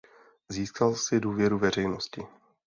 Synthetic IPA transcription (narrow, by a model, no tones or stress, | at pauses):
ziːskalsɪduːvjɛɾuvɛr̝ɛjno̞scɪ